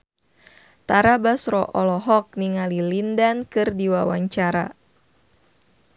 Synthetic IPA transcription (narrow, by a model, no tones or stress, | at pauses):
t̪aɾabasrɔ̰ʔɔlɔɦɔk̚niŋalilindankɨrdiwawaɲt͡ʃaɾa̰